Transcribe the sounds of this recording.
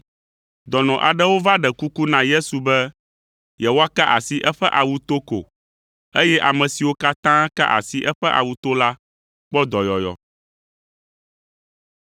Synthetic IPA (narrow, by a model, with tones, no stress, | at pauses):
d̪ɔ˨nɔ̃˨ʔa˨ɖɛ˦wo˦va˦ɖɛ˨ku˦ku˦nã˨je˦su˨bɛ˦ | jɛ˨wo˦a˦ka˦ʔa˨si˨ʔɛ˦ɸɛ˦ʔa˨wu˦t̪o˦ko̰˨ | e˦jɛ˦ʔa˨mɛ̃˨si˨wo˦ka˦t̪ã˦ka̰˦ʔa̰˨si˨ʔɛ˦ɸɛ˦ʔa̰˨wu˦t̪o˦la˦ | k͡pɔ˦d̪ɔ˨jɔ˨jɔ̰˨